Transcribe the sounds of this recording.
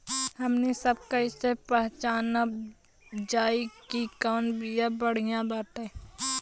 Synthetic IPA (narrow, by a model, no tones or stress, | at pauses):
hɐmnesəb̚kaɪsepɛɦt͡ʃaːna | d͡ʒaːikikaːnbijabəɽ̤ijãbaːt̪ẽ